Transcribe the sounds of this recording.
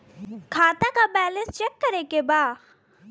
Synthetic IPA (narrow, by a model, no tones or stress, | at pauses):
kʰaːt̪akabɛːlə̃nst͡ʃekːəɾekebaː